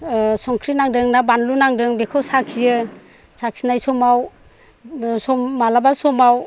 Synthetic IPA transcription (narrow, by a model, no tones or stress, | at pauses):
sɔŋkʰɾinaŋdɯŋnabanlunaŋdɯŋbekʰɔwsakʰijɯ | saksinajsɔmaw | sɔmːalabasɔmaw